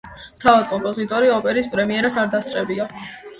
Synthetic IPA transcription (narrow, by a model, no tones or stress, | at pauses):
mt̪ʰavad̪̚kʼɔmpʼɔzit̪ʼɔɾiɔpʼɛɾispʼɾɛmiɛɾasaɾd̪ast̪sʼqʼɛbia